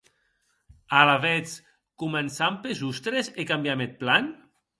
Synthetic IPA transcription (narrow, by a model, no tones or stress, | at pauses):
alaβet͡s | kumensampezust̪ɾezekambjamet̪̚plan